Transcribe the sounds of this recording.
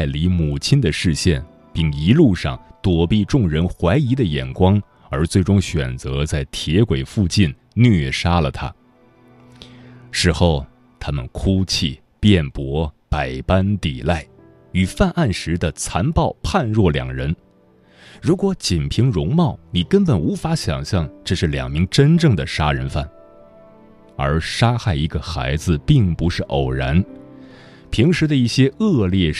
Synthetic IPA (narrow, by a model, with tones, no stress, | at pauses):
a˥˩ɪli˧˥mu˨˩t͡ɕʰi˥nd̪ə˨ʂɻ̩˥˧ɕjɛ˥˧˩n | pi˥˩ŋi˧˥lu˥˧ʂɑ̰˥˩ŋt̪wɔ˨˩pi˥˧ʈ͡ʂʊ˥˩ŋɻə˧˥nxwa˧˥ɪi˧˥d̪ə˧jɛ˨˩nkwɑ˥ŋ | ə˞˧˥t͡swe˥˩ɪʈ͡ʂʊ˥ŋɕɥɛ̰˨˩nt͡sɤ˧˥t͡sa˥˩ɪt̪ʰjɛ˧˥kwe˨˩ɪfu˥˧t͡ɕi˥˩n | nɥɛ˥˩ʂa˥lə˨t̪ʰa̰˥ | ʂɻ̩˧˥xo˥˩ʊ | t̪ʰa˥mə̰˨nkʰu˥t͡ɕʰi˥˩ | pjɛ˥˩npwɔ˧˥pa˨˩ɪpa˥nt̪i˨˩la˥˩ɪ | y˨˩fa˥˧nʔa˥˩nʂɻ̩˧˥d̪ə˧t͡sʰa˧˥npɑ˥˧ʊpʰa˥˧nɻwɔ˥˩ljɑ̰˨˩ŋɻə˧˥n | ɻu˧˥kwɔ˧˥t͡ɕi˨˩npʰi˧˥ŋɻʊ˧˥ŋmɑ˥˩ʊni˨˩kə˥npə˨˩nu˧˥fa˧˥ɕjɑ̰˨˩ŋɕjɑ˥˧ŋʈ͡ʂɤ˥˧ʂɻ̩˥˩ljɑ̰˨˩ŋmi˧˥ŋʈ͡ʂə˥nʈ͡ʂɤ˥˩ŋd̪ə˩ʂa˥ɻə˧˥nfa̰˥˩n | ə̰˞˧˥ʂa˥xa˥˩ɪi˧˥ɡə˧xa̰˧˥ɪd͡zɹ̩˧pi˥˩ŋpu˧˥ʂɻ̩˥˩ʔo˨˩ʊɻa̰˧˥n | pʰi˧˥ŋʂɻ̩˧˥d̪ə˧i˥˩ɕjɛ˥ɤ˥˧ljɛ˥˩